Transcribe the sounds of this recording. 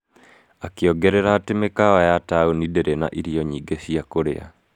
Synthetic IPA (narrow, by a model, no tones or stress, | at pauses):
akeɔɡɛɾɛɾaːtemekaajataonideɾena̰ʔiɾiɔɲiːɡeɕiakoɾḛa̰